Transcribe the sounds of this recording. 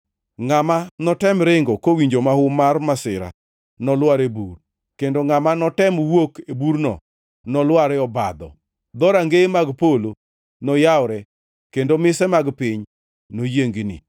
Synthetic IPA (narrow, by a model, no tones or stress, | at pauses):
ŋamanɔtɛmɾɪŋɡokowiɲd͡ʒomahʊmarmasɪɾa̰ | nɔlwaɾebur | kendoŋamanɔtɛmwokebuɾnɔ̰ | nɔlwaɾɛɔbad̪ɔ̰ | d̪ɔɾaŋɡemaɡpolo | nɔjawɾɛ | kendomɪsɛmaɡpɪɲ | nojeŋɡinɪ̰